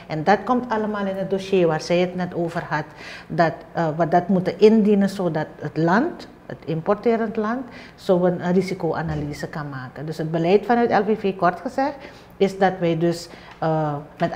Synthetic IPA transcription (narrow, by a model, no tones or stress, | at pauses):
ʔɛndɑtkɔmtʰɑləmaːlɪnɦət̚doːsjeːʋaːrsɛjətnɛtoːvərɦɑtdɑtʋadɑtmutənʔɪndinənsoːdɑtətlɑnt | ə̰tɪmpɔrtɪːɾəntlɑnt | soːənərisikoːʔanaliːzəkanmaːkəndøsɦət̚bəlɛjtfɑnœːtɛlvefeːkɔrtxəzɛxt | ɪsdɑtʋɛjdøs | mɛt